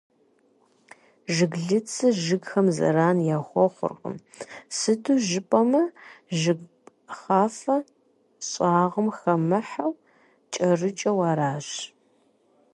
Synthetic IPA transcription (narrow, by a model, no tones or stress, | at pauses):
ʒɨɡɮɨt͡sʰɨʒɨɡxɐmzɐ̰ɾaːnjaːχʷɔχʷʊ̰rqʼə̰m | sɨduːʒɪpʼɐmɐʒɨɡpʼ | χaːfɐ | ɕʼɑːʁəmxɐmɨħaw | t͡ʃʼɐrɨt͡ʃʼɐwɑːɾaːɕ